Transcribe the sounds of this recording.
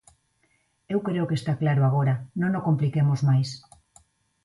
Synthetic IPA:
ewkɾeokest̪aklaɾoaɣ̞oɾanõŋnokomplikemozmajs

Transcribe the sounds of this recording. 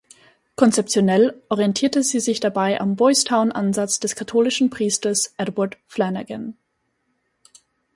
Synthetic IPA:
kʰɔnt͡sɛp̚t͡sjonɛlʔɔʁiɛntʰiːɐtəziːzɪçd̥abaɪʔa̰mbɔʏstʰaʊnʔanzat͡sd̥ɛskʰatʰoːlɪʃn̩pʁ̥iːstɐsʔɛdwaɐtflɛnaɡən

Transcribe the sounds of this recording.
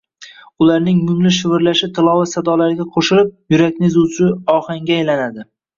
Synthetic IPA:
ʊlaɾnɪŋmʊmlɪʃɪvɪɾlaʃɪt̪ʰɪlˠɒwasad̪ɒlaɾɪɡʲaqʰoʃɪlɪp̚jʊɾakʲnɪzut͡ʃʰʊɒhaŋɡʲaːjlanad̪ɪ

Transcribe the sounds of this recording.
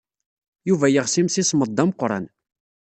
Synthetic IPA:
juvæjəʁsimsisməd̪ˤːɑmqɾˤɑ̰n

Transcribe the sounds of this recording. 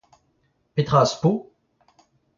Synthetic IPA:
pet̪χaspo

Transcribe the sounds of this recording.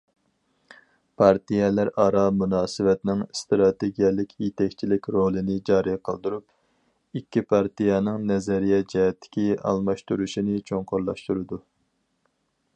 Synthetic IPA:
pʰɑɾt̪ʰijɛlæɾɑːɾɑmunɑːsɨvɛt̪nɪŋst̪ɾɑt̪eɡʲijɛlˠɪkʲʰjet̪ʰɛkʲt͡ʃʰilɪkʲɾolˠɨnɪd͡ʒɑːɾijqʰə̰lˠd̪uɾup̚ | ikʲːipʰɑɾt̪ijɑnɨŋnɛzɛɾijɛd͡ʒɛɦɛt̪ʰːɪ̥kʲiɑ̰lˠmɑʃt̪uɾuʃinɪt͡ʃʰoŋqʰoɾlˠɑ̰ʃt̪uɾɨd̪u

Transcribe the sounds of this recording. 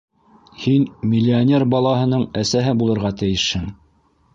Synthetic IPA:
hinmʲɪlʲːionʲerbɑlˠɑɦɤ̆nɤɴæsæɦɘbulˠɤ̆ɾʁɑt̪ɘ̆jɘʃhɘŋ

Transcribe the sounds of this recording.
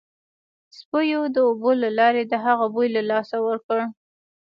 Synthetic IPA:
spəjod̪əobolalɑɾed̪əɦaɣabojlalɑsawəɾkəɽ

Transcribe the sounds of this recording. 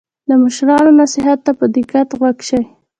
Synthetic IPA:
d̪əməʃɾɑnonasɪɦat̪ːapəd̪ɪkat̪ɣwaɡʃəw

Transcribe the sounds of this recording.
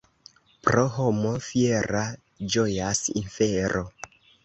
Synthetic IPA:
pɾo̞ɦo̞mo̞fieɾa | d͡ʒo̞jasḭnfeɾʔo̞

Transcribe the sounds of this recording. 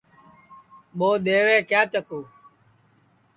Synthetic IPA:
ɓoːɗ̪eːʋeːkjaːt͡ʃəkoː

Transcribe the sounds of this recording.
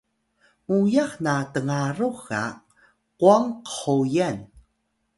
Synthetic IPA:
mujaxnatəŋaɾuxa̰ | quaŋqə̥ħujan

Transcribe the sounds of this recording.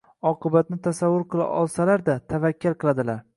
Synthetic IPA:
ɒqʰɨbat̪̚nɪt̪ʰasavːʊɾqʰɨlˠa̰ʔɒ̰lˠsalaɾd̪at̪ʰavakʲːɪlˠqʰɨlˠad̪ɪlaɾ

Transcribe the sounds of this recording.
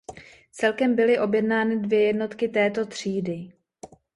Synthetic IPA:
t͡sɛlkɛmbɪlɪʔo̞bjɛdnaːnɪdvjɛjɛdno̞t̪kɪt̪ɛːt̪o̞t̪r̝̥iːdɪ

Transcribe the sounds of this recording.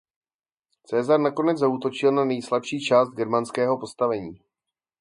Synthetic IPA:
t͡sɛːzaɾnako̞nɛd͡zzauːt̪o̞t͡ʃɪlnanɛjslapʃiːt͡ʃaːsd̪̚ɡɛɾmanskɛːɦo̞po̞st̪avɛɲiː

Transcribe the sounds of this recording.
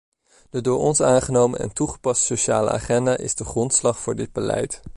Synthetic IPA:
d̥ədʊːɹɔnsaːnχənowmə̰nɛ̰ntuχəpɑstsowʃaːlə̰a̰ːχɛndaːʔɪzdəχrɔntslɑχfʊːɹdɪd̚bəlɛ̰jt

